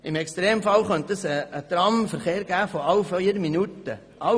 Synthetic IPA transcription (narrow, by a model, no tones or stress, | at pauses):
ɪmɛkst̪ɾeːmfɑlχœnt̪əsəːt̪ɾɑmfəɾχeːɾɡ̥æːfoɑwfiːɾminutə | ʔɑ